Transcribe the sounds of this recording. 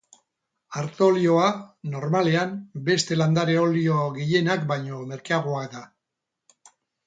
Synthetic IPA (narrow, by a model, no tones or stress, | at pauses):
aɾt̪o̞lio̞ano̞ɾmale̞ambe̞st̪e̞land̪aɾeolio̞ɣiʎe̞nakbajɲo̞me̞ɾkaaɣ̞oakd̪a